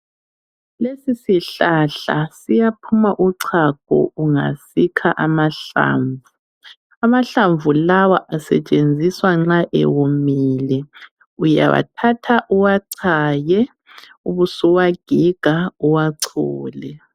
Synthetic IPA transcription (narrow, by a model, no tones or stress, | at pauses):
lesisiɬaɬa̰sijapʰumaʔuǀʰaɡ̥ʱɔ̰uŋa̰sikʰaʔamaɬa̰ːɱvu | amaɬaɱvulawaʔasɛt͡ʃʼend͡zʱiswaŋ͡ǁaʔɛ̰wumiːlɛ | uja̰βa̰tʰatʰaʔuwaǀʰajɛ | uβusuwaɡ̥ʱiɡ̥ʱauwaǀʰṵːlɛ